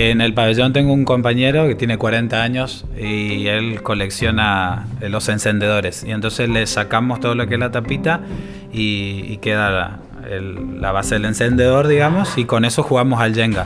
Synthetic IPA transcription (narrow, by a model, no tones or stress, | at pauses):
ene̞lpaβeʒo̞nt̪e̞ŋɡouŋko̞mpaɲe̞ɾo̞ket̪je̞nekwaɾe̞nt̪aaɲo̞s | ielko̞le̞ksjo̞nalo̞se̞nse̞nd̪e̞ð̞o̞ɾe̞sient̪o̞nseslesakamo̞st̪oðolokeeslat̪apit̪a | iːkeða | ḛlːa̰βaseðele̞nse̞nd̪e̞ðo̞ɾðiɣamo̞siko̞ne̞so̞xuɣamosalʒeŋɡa